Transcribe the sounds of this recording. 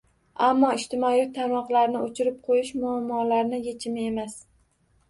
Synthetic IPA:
amːɒɪʃt̪ʰɪmɒit̪ʰamɒqlˠaɾnɪot͡ʃʰɪɾɪp̚qʰojɪʃmʊamːɒlaɾnɪjet͡ʃʰɪmɪe̞mas

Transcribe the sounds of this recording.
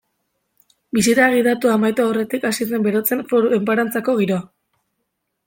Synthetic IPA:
bisiɾaɣ̞iðat̪uamajt̪oaore̞t̪ikasiðembe̞ɾo̞t͡se̞nfoɾue̞mpaɾant͡sako̞ɣ̞iɾo̞a

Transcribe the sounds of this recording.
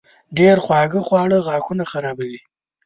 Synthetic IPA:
ɖeɾxwɑːɡəxwɑːɽəɣɑːkunaxaɾɑbawi

